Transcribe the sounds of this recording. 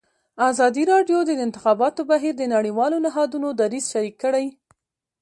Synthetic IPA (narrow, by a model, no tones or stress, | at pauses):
azɑd̪iɾɑɖjod̪əɪnt̪ɪxɑbɑt̪obaɦiɾd̪ənaɽiwɑlonɪɦɑd̪unod̪aɾizʃaɾikːəɽaj